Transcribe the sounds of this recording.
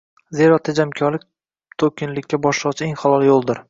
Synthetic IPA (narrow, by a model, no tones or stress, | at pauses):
zeɾɒt̪ʰed͡ʒamkʲʰɒɾlɪk̚ʲ | t̪ʰokʲɪnlɪkʲːabɒʃlˠɑʁt͡ʃʰɪeŋχɒlˠɒlˠjolˠd̪ɪɾ